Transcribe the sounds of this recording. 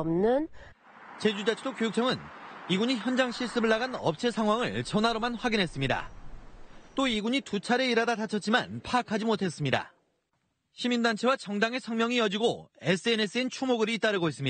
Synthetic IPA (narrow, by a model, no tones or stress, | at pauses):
mnɯn | t͡ɕe̞d͡ʑudet͡ɕʰedokjojuk̚t͡ɕ͈ʰʌŋɯniɡuɲiçjʌnd͡ʑaŋɕʰiɭs͈ɯbɯɭːaɡanʌp̚t͡ɕʰesʰaŋɦwaŋɯɭt͡ɕʌnaɾomanɸwaɡinɦe̞s͈ɯmɲida̰ | t͈oiɡuɲitut͡ɕʰaɾe̞iɾadatat͡ɕʰʌt̚t͡ɕ͈imanpʰaːkʰad͡ʑimotʰe̞s͈ɯmɲida̰ | ɕʰimindant͡ɕʰe̞wat͡ɕʌŋdaŋe̞sʰʌŋmjʌŋijʌd͡ʑiɡoe̞s͈ʰɯene̞s͈ɯint͡ɕʰumoɡɯɾit͈aɾɯɡois͈ɯmɲi